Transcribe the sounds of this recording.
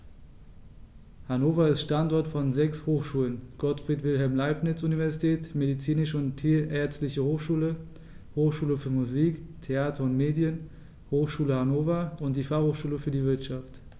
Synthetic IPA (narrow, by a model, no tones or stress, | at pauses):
hanoːfɐɪstʃtantɔɐtfɔnzɛkshoːxʃuːlənɡ̥ɔtfʁ̥iːtv̥ɪlɦɛlmlaɪpnɪt͡sunivɛɐzitʰɛːtmedit͡siːnɪʃəʊntʰiːʔɛɐt͡stlɪçəhoːxʃuːlə | hoːxʃuːləfyːɐmuziːktʰeaːtʰɐʊntmeːdjən | hoːxʃuːləhanoːfɐʔʊnt̚d̥iːfaχhoːxʃuːləfyːɐdiːvɪɐtʃaft